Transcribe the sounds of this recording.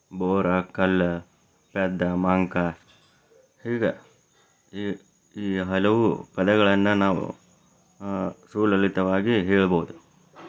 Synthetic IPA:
boːɾɐkɐlː | pɛd̪ːɐmaːŋkɐ | hiːɡɐ | iːɦɐlɐʋupɐd̪ɛɡɐɭɐnːɐnaːʋṵ | suːlɐlit̪ɐʋaːɡiɦɛːɭboːud̪u

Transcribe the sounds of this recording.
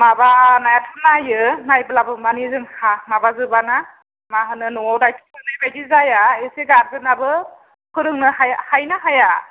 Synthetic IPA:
mabanajatʰɯnajɯnajbɯlabɯmanizɯŋhamabazɯbana | maɦɯnɯnɔawdajtʰiɯnajbajdizajaeseɡaɾdɯnabɯ | kʰɯɾɯŋnɯhajhajnaɦaja

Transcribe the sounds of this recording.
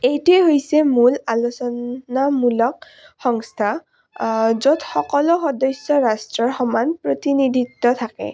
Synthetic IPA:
ejtueɦojsɛmulalosɔnamulɔk̚ | xɔŋst̪ʰa | zotxɔkɔlɔxɔdɔsːɔɹastɹɔɹxɔmanpɹot̪inidʱit̪ːɔt̪ʰakɛ̰

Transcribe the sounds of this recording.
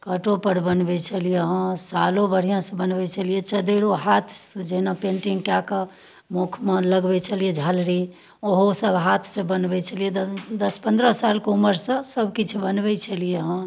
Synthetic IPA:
kəʈopəɾbənbɛt͡ʃʰəlijeɦə̃salobəɽ̤ijãsə̃bənbɛt͡ʃʰəlijet͡ʃəd̪eɽoɦat̪ʰsə̃d͡ʒəɦnapẽɳʈiŋɡkjakə | mukʰmeləɡbɛt͡ʃʰəlijed͡ʒʱalɾi | oɦosəbɦat̪ʰsə̃bənbɛt͡ʃʰəlijed̪d̪əspə̃nd̪ɾəsalkeuməɾsə̃səbʱkit͡ʃʰubənbɛt͡ʃʰəlijeɦə̃

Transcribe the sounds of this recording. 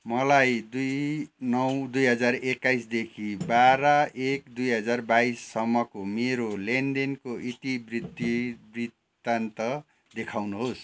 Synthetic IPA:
mʌlajd̪ujnʌwd̪ujɦʌd͡zarekːajsd̪ekʰibaɾʌekd̪ujɦʌd͡zarbaisːʌmːʌkomeɾolendenkoʔit̪ibrid̪ibrit̪ː | ant̪ʌ | d̪ekʰawnuɦos

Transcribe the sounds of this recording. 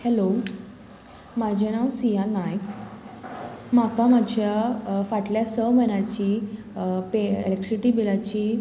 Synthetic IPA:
hɛlo | mad͡ʑʱañaʋsijanajk | makamad͡ʑʱjafaʈljasəmənat͡ɕiː | peḛlek̚ʈɾiʈibilat͡ɕiː

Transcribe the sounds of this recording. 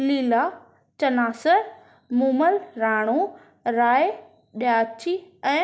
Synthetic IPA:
liːla | t͡ɕɐnaːsəɾ | muːməlɾaːɽ̃o | ɾaːe | ɗjaːt͡ɕʰiɛ̃ː

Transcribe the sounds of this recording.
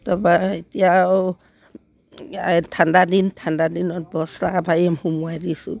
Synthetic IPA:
tabaitija | tʰandadintʰandadinɔt̚bɔslaabajamhumuaɾisṵ

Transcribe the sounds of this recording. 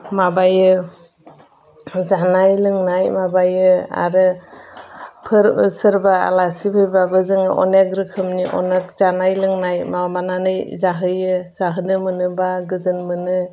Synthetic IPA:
mabajɯ | zanajlɯŋnajmabajɯa̰ɾɯ | pʰɯɾsɯɾbaa̰lasipʰɯjbabɯzɯŋɯʔɔ̰nekɾɯkʰɯmniʔɔ̰nek̚zanajlɯŋnajmamananɯjzaɦɯjɯz̥aɦɯnɯmɯnɯbaɡɯzɯnmɯnɯ

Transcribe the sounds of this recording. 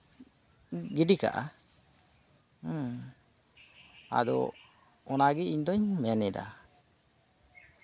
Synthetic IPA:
ɡiɖika̰ʔa̰ | a̰d̪ɔ̰ | ɔnaɡɛiɲd̪ɔɲmɛnɛd̪a̰

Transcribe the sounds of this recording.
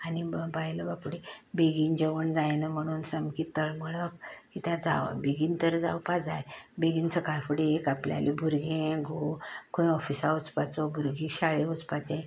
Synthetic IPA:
anibbajləbapɽibeɡind͡ʑəʋəɳd͡zajnəm̤əɽ̃uːnsəmkit̪ːəɭməɭəpkit̪ad͡za̰ʋ̰beɡint̪əɾd͡za̰wpad͡zajbeɡiːnsəkajfəɽiekaplja̰libʱuɾɡẽɡʱokõĩɔfisaut͡spat͡sɔbʱuɾɡiɕaɭẽut͡spat͡ɕẽ

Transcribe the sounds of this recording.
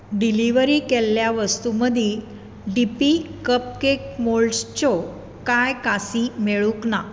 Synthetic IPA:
ɖiliʋəɾiːkelːjaʋəst̪uməd̪ʱi | ɖipikəp̚kek̚molst͡ɕɔ | kajkasimeɭukna

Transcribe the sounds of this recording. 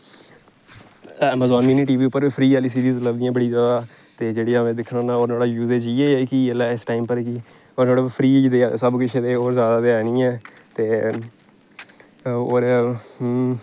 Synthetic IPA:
ɛːmaːzɔːnːiːnĩːʈiːʋiːʊpːəɾiːpʰɾiːɛːliːs̬iːɾiːzləbd̪ijãːbəɽiːzjaːd̪aː | t̪eːd͡ʒeːɽiːaːmẽːd̪ɪkʰːnoːnãoːɾnaːɽaːjuːzeːd͡ʒiːeːɛːkilaɪsʈaːɪmpəɾkiː | oːɾnaːɽaːpʰɾiːd͡ʒd̪eːsəbkɪt͡ʃʰeːd̪eːoːɾzjaːd̪aːd̪eːɛːnĩːɛː | t̪eː | oːɾ

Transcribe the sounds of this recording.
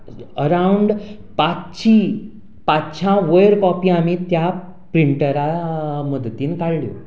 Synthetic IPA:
əɾauɳɖ | pat͡st͡ɕʰi | patt͡ɕʰãʋəjəɾkɔpiamit̪ja | pɾiɳʈəɾaməd̪t̪iːnkaɭljo̰

